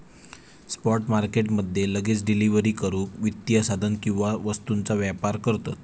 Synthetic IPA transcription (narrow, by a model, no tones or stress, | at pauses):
spɔɾʈmaɾkeʈməd̪ʱːjeləɡet͡sɖiliʋəɾiːkəɾũkʋit̪jəsad̪ʱənkĩw̃ʋaʋəst̪unt͡saʋjapaɾkəɾt̪at̪